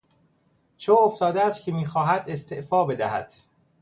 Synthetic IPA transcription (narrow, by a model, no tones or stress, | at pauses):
t͡ʃʰooft̪ɒːd̪eæst̪̚cʰemiːxɒːɦæd̪e̞st̪ʰeʔfɒːbe̞d̪æhæ̰d̪̥